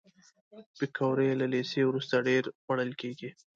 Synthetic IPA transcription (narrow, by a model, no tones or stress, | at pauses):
bɪkawɾejlalesewɾust̪aɖeɾwaɽəlkeɡi